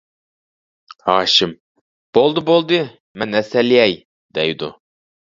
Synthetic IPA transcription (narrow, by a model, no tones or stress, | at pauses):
hɑːʃɪm | b̥olˠd̪ɨbolˠd̪ɨ | mɛnɛsɛlijɛj | d̪̥ɛjd̪u